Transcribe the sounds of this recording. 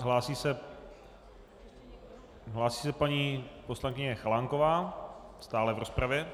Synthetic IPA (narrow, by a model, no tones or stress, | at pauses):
ɦlaːsiːsɛ | ɦlaːsiːsɛpaɲiːposlaŋkɪɲɛxalaŋkovaːst̪aːlɛvɾospɾavjɛ